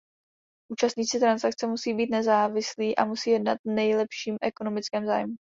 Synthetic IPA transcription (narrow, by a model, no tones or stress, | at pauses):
ʔuːt͡ʃast̪ɲiːt͡sɪt̪ɾansak̚t͡sɛmusiːbiːt̪nɛzaːvɪsliːʔa̰musiːjɛdnat̪̚nɛjlɛpʃiːmʔɛko̞no̞mɪt͡skɛːmza̰ːjmu